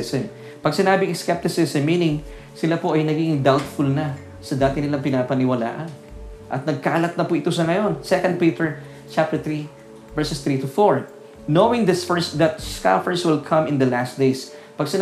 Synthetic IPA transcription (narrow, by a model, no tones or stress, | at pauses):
sɛm | pɐɡ̚sɪnaːbɪŋskɛp̚t̪ɪsɪsɛmːiːnɪŋ | sɪlapoʔɐjnɐɡɪɪŋd̪awt̪fʊlnɐ | sɐd̪aːt̪ɪnɪlaɐŋpɪnapɐnɪwɐla̰ːʔɐn | ʔɐt̪̚nɐɡ̚kaʔɐlɐt̪̚nɐpʊʔɪt̪o̞sɐŋɐjo̞nsɛkɐ̃nd̪̚pit̪ɛɹ | t͡ʃap̚t̪ɛɹt̪ɹi | vɛɹsɛst̪ɹit̪ʊfoɹ | nowɪŋd̪ɐsfɛɹsd̪ɐt̪̚ska̰fəɹswɪlkʰɐ̃mɪ̃nd̪ɐlast̪d̪ejs | pɐɡsɪ